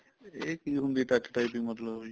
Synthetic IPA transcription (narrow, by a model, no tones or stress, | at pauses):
ekiɦund̪iʈaʈi̥ʈajpiŋmɔd̪lɔɦojʰ